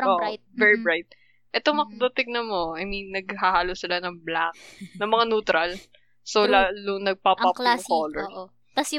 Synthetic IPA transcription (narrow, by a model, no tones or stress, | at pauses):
oʔ̪vɛɹibɹajt̪̚ | ʔɛt̪omɐkd̪ɐt̪ɪɡ̚nɐmoʔajminːɐɡ̚hahaːlosɪlanɐŋbla̰k̚nɐŋmɐŋanuːt̪ɾɐl | solalunɐɡ̚papakaŋkoːlɛɹʔ | t̪ɐs